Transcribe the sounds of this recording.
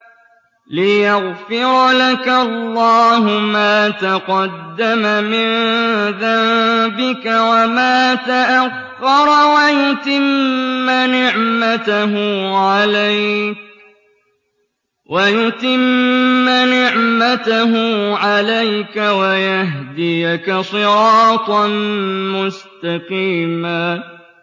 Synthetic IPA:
lɪjaɣfɪɾlakalːɑːɦʊmaːt̪aqɑd̪ːamamɪnðambɪkawamaːt̪aʔaxːɑɾˤwajʊt̪ɪmːanɪʕmat̪aɦʊʕalajk | wajʊt̪ɪmmːanɪʕmat̪aɦʊʕalajkawajaɦd̪ɪjkasˤɨɾɑːt̪ˤ | mʊst̪ɑqiːmaː

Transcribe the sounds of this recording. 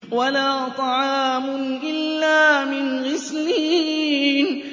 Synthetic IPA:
walaːt̪ˤɑʕɑːmʊʔɪlːaːmɪnɣɪsliːn

